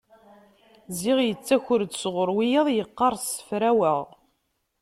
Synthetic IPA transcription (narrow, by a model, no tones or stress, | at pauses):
ziʁjət͡sːæçʊɾd̪sʁʊɾˤwijəðˤjəqːɑɾˤsə̥fɾæwəʁ